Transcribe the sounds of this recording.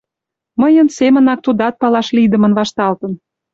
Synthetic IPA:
məjənsemə̆nɑk̚t̪ud̪ɑt̪̚pɑlɑʃlid̪ə̆mə̆nvɑʃt̪ɑlt̪ə̆n

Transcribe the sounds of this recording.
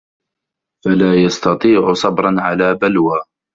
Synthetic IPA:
falaːjɑst̪ɑt̪ˤiːʕʊsˤɑbɾˤɑnʕalaːbalwaː

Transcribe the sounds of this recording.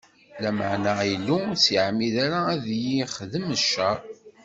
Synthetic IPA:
læməʕnæilːusjʕmːiðaɾaːðjiχðəməʃːæɾ

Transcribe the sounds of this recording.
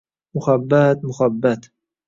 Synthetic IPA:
mʊχabːat̪̚mʊχabːat̪

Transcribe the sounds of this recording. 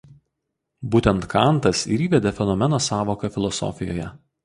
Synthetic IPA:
buːt̪ʲɛnt̪kʰɐˑnˑt̪ɐsḭɾʲiːʋʲɛd̪ʲefʲɛnɔmʲɛnoːsɑːʋoːkɐfʲɪlˠɔsɔ̰fʲɪjo̰ːjɛ

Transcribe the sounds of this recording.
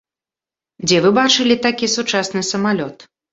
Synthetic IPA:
d͡zʲɛvɨbat͡ʂɨlʲit̪akʲisut͡ʂasnɨsɐmalʲɔt̪

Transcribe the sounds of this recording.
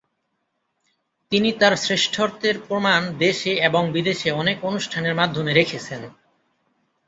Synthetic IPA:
t̪init̪aɾsɾeʃʈʰoɾt̪eɾpɾomand̪eʃeeboŋbid̪eʃeɔnekonuʃʈʰaneɾmad̪ʱːomeɾekʰet͡ɕʰen

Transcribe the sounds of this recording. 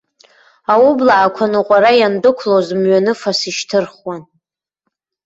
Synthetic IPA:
awʊblaːkʷʰanɨqʷʼaɾajandɨkʷʰlozmɥanɨfasiʃtʰɨrχwan

